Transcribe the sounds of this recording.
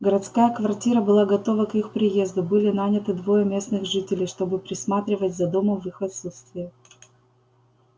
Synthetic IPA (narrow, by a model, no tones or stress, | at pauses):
ɡəɾɐt̪skajəkvɐrtʲiɾəbɨlˠaɡɐt̪o̞vəkixpɾʲɪje̞zd̪ʊbɨlʲɪnanʲɪt̪ɨd̪vo̞jəmʲe̞snɨɣʐɨtʲɪlʲɪjʂt̪o̞bɨpɾʲɪsmat̪ɾʲɪvətʲzɐd̪omʊvɨxɐt̪sut̪st̪vʲɪjə